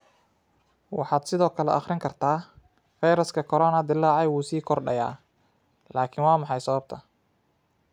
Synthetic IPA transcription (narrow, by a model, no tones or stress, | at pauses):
wɑħɑːd̪sɪðɔːkʰɐlɛ̰ʔɐχrɪŋkʰɐrt̪ʰaː | fɑjɾɐskʰɐkʰɔɾɔːnɐd̪ɪlːaːʕɑjwuːsiːkʰɔrɖɐ̰ja̰ː | laːkʰɪnwɑːmɑħɑjsɐβɐb̚t̪ʰɐ